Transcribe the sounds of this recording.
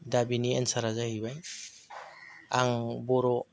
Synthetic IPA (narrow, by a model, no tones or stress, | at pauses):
dabiniensaɾazahibaj | aŋbɔɾɔ